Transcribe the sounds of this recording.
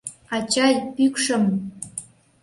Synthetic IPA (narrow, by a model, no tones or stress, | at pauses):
ɑt͡ɕɑjpykʂə̆m